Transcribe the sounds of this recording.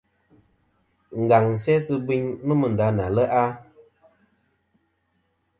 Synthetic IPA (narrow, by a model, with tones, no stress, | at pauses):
ŋ̩˨ɡa˨ŋ̩˨sɛ˦sɨ˦bi˦ɲnə˦mə˨n̩˨da˨˦na˨lə˦ʔa˦